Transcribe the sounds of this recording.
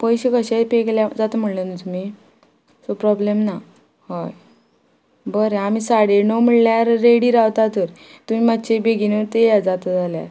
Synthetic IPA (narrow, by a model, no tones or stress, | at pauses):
pəjɕekəɕepekljad͡zat̪əm̤əɽlənt̪um̤i | sopɾɔblemna | hɔj | bəɾeamisaɽenom̤əɭljaɾːeɽiːɾaʋt̪at̪əɾt̪um̤iːmat̪ːɕebeɡinət̪ejad͡zat̪əd͡zʱalja̰ɾ